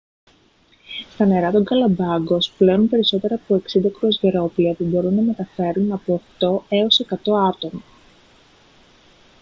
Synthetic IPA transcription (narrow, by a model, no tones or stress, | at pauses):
st̪ɐne̞ɾɐt̪o̞ŋɡɐlɐbɐɡo̞sple̞nunpe̞ɾiso̞t̪e̞ɾɐːpo̞e̞ksind̪ɐkɾozʝeɾo̞pliɐpubo̞ɾunːɐme̞t̪ɐfe̞ɾunɐpo̞ːxt̪o̞e̞ose̞kɐt̪o̞ɐt̪o̞mɐ